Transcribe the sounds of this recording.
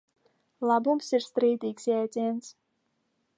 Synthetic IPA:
lɑbumsiɾst̪ɾiːd̪ikzʲæt̪ʲens

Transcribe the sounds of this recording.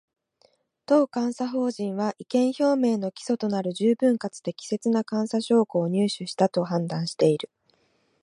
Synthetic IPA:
t̪o̞ːkãɰ̃saɦo̞ːʑĩɰ̃βaʔikẽ̞ɰ̃ço̞ːmẽ̞ːno̞kʲi̥so̞t̪o̞naɾɯ̟ʑɨːbɯ̟̃ŋkat͡sɨd̪e̞kʲi̥se̞t͡sɨnakãɰ̃saɕo̞ːkoːɲ̟ɨːɕɨɕi̥t̪at̪o̞hãnd̪ãɰ̃ɕi̥t̪e̞iɾɯ̟

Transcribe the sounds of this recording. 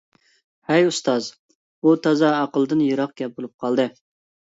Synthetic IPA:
hɛjust̪ɑz | ut̪ʰɑzɑːqəlˠɨd̪ɨnjɨɾɑq̚ɡʲɛp̚bolˠup̚qʰɑlˠd̪ɨ

